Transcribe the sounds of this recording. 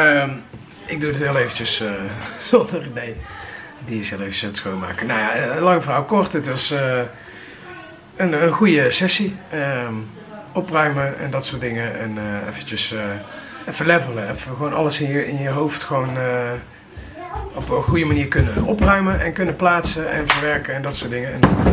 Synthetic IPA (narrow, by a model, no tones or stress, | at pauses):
əm | ɪɡ̚dudtɦɪlˠejvəncəsəz̥ɔndəridej | diəsɪlˠejvəəslətsxoːnma̰ːkənawjalɑŋəvrawkɔɹtədɪsə | ənənɣujəsɛsiə | ɔprœɥməʔɛ̰ndɑtsʊːɹtdɪŋəɛnəɛ̰fənt͡ʃəs | fəlɛvələɛfəʋownɑləsɪnjəɪnjəɦowftxʋownə | ɔpəɣujəmaniːɹkɵnənɔprœɥmənʔɛnkɵnəplaːtsəɛ̰nvəɹʋɛɹkəɛndɑtsʊːɹdɪŋəɛ̰ndɑt